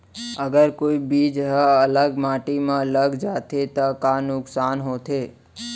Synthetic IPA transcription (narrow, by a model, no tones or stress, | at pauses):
əɡəɾkoibid͡ʒɦəələɡmaʈimãləɡd͡ʒat̪ʰet̪əkanʊksanɦot̪ʰe